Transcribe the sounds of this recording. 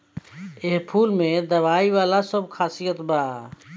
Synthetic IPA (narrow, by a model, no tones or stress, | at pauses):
eɦpʰulmed̪əβaiʋalasəbkʰasijət̪ba